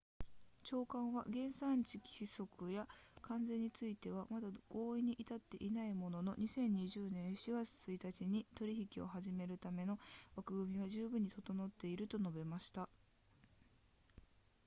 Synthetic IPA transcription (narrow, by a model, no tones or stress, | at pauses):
t͡ɕo̞ːkãɰ̃βa̰ɡẽ̞ɰ̃sãɲt͡ɕikʲi̥iso̞kɯ̟jakʰãnd͡zẽ̞ɲ̟ːit͡sɨit̪e̞βamad̪aɡ̥o̞ːiɲ̟iʔit̪at̪ːe̞̰ʔinaimo̞no̞no̞̰ɲ̟isẽ̞ɲ̟ːiʑɨːnẽ̞ɰ̃ɕiɡat͡sɨ̥t͡sɨit̪at͡ɕiɲ̟it̪o̞ɾʲiçikʲio̞̰ɦaʑime̞ɾɯ̟t̪ame̞no̞βakɯ̟ɡɯ̟mʲiβ̞aʑɨːbɯ̟̃ɲ̟ːit̪ot̪o̞no̞t̪ːe̞iɾɯ̟t̪o̞no̞be̞maɕi̥t̪a